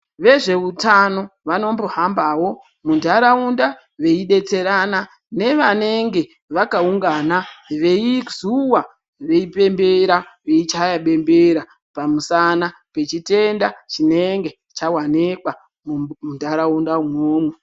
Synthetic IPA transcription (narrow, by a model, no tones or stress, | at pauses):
ʋe̞ʐe̞utano̞ʋano̞mboɦambawo̞ | mundʱaɾaunda | ʋe̞iɗe̞t͡se̞ɾana | ne̞ʋane̞ŋɡe̞ | ʋakauŋɡanaʋe̞izuwa | ʋe̞ipe̞mbe̞ɾaʋeit͡ʃajaɓe̞mbeɾa | pamusanape̞t͡ʃite̞ndat͡ʃine̞ŋɡe̞ | t͡ʃawanekwa | mmundʱaɾaundaumwoːmwe